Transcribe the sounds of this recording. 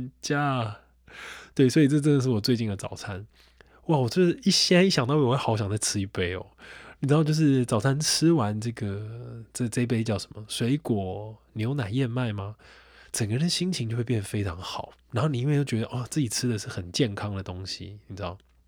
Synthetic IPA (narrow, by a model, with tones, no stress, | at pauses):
t͡ɕja˥ | t̪we˥˩ɪ˩swɔ˧˥i˨˩ʈ͡ʂɤ˥˧ʈ͡ʂ̬ə˥˩nd̪ə˩ʂ̬̩˥˩wɔ˨˩t͡swe˥˧ɪt͡ɕi˥˩nd̪ə˩t͡sɑ̰˨˩ʊt͡sʰa˥˩n | wa˥˩wɔ˨˩t͡ɕɥɛ˥˩i˥˩ɕjɛ˥i˥˩ɕjɑ˨ŋt̪ɑ˥˧ʊ˥˧˨ɑ˧˦ʊɕ̬jɑ˨ŋt͡sa˥˧ɪʈ͡ʂʰɻ̩˥i˧˥˩pe˧˥ɪo̰˨˩ni˨˩ɻ̩˧˥ɑ˥˧t͡ɕjʂɻ̩˥˩t͡sɑ˨ʊt͡sʰa˥˧nʈ͡ʂ̩ʰ˥˦wa˧˦nʈ͡ʂɤ˥˩ɡə˩t͡sə˥˧t͡sə˥ɪi˥p̬e˥ɪt͡ɕjɑ˥˩ʊʂə̥˧˦mə˨˩swe˧˥ɪkwɔ˨˩ni˨jo˧˥ʊna˨˩jɛ˥˧nma˥˩ɪma˦ʈ͡ʂə˨˩ŋɡə˨ɻə˧˦nə˧ɕi˥ŋt͡ɕʰi˧˥t͡ɕo˥˧we˥˧pjɛ˥˩nə˨fe˥ɪʈ͡ʂʰɑ˧˦ŋxɑ˨˩˦ʊɻa˧nxo˥˩ni˨˩i˦˥we˥˧ɪjo˥˩t͡ɕɥɛ˧˥d̪ə˧˨ʔɔ˥˨˩t͡sɹ̩˥˩t͡ɕi˨˩ʈ͡ʂʰɻ̩˥d̪ə˨ʂɻ̩˥˩xə˨˩nt͡ɕjɛ˥˨˩nkʰɑ˥ŋd̪ə˨t̪o˦ŋɕḭ˨ni˨˩ɻ̩˦˥d̪ɑ˥˨˩ʊ